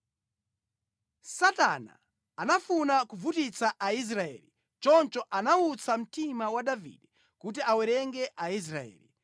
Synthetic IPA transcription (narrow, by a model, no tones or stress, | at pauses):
sata̰na̰ | anafunakuvutit͡saʔais̬ɾaɛ̰ːli | t͡ʃɔnt͡ʃɔʔanaut͡sʰam̩timawaɗavḭdɛ | kut̬iawɛɾɛŋɡɛʔais̬ɾaɛ̰ːli